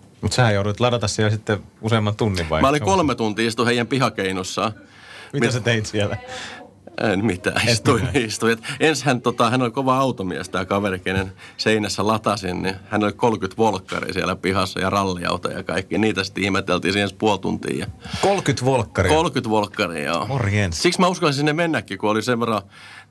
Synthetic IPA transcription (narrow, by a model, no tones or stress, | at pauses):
mut̪sehæjouɾuit̪lɑdɑt̪ɑssielsit̪ːeuseːmːɑnt̪unːiʋʋɑ̰imæolikolmet̪unt̪iːist̪uheijæmpihɑkeinusːɑː | mimæset̪eit̪sielæ | emmit̪æ̰ist̪uinist̪ujet̪enshænt̪ot̪ɑhænolʲkoʋɑɑut̪omiæ̰st̪æːkɑʋerikenenseinæsːælɑt̪ɑsinnihænolikolkyt̪ʋolkːɑ̰rḭsiælæpihɑsːɑ̰jɑrɑlːiɑ̰ut̪ɑ̰jɑkɑikːiniːt̪æsi̥t̪ihmet̪ːelt̪iːsiːenspuolt̪ṵnt̪ḭːjɑkolkyt̪ʋolkːɑrikolkyt̪ʋolkːɑrḭjɑ̰ːorienssiksmæuskɑlsinsinːemmenːækːikuoliseʋʋerɑ